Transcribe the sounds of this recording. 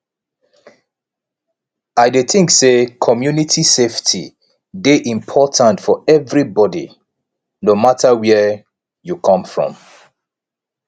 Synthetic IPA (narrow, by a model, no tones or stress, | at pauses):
aɪdeθɪ̃ŋksekʰɔmjunitʰiseftʰḭ | deʔĩmpʰɔtʰãntfɔɛvɹibɔdḭ | nomatʰəwɛ | jukʰʌ̃mfɹɔ̰̃m